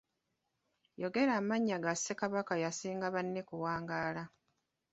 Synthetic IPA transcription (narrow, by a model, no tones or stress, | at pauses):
jo̞ɡe̞ɾaːmaɲːaɡasːe̞kaβakajasiːŋɡaβanːe̞kuwaːŋɡaːla